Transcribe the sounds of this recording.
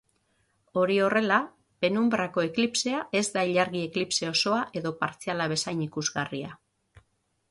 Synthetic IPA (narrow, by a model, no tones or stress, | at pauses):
o̞ɾio̞re̞la | pe̞numbɾako̞eklipse̞aʔe̞zd̪aiʎaɾɣie̞klipse̞o̞so̞aʔe̞ðo̞paɾt͡sialaβ̞e̞sajnikuzɣaria